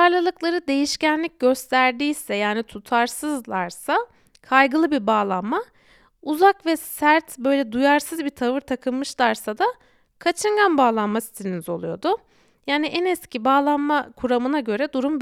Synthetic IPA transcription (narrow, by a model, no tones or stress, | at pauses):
alˠalˠɯklˠaɾɯd̪e̞jiʃcænlʲic̚ɟø̞st̪ʰæɾd̪iːsɛjaːnit̪ʰut̪ʰaɾsɯzlˠaɾsa | kʰajɡɯlˠɯbibaːlˠanma | uzakvɛsæɾt̪bø̞jlʲɛd̪ujaɾsɯzbit̪ʰavɯɾt̪ʰakʰɯnmɯʃlˠaɾsad̪a | kʰat͡ʃʰɯŋɡanbaːlˠanmasi̥t̪ʰelʲinizo̞lˠujo̞d̪ʊ | jaːniʔɛnɛscibaːlˠanmakʰuɾamɯnaɟø̞ɾɛd̪uɾumb